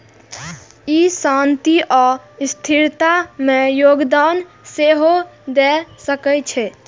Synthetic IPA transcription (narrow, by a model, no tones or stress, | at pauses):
isant̪iʔɔst̪ʰiɾt̪amẽjoɡd̪an | seɦod̪ɛsəkɛt͡ʃʰɛ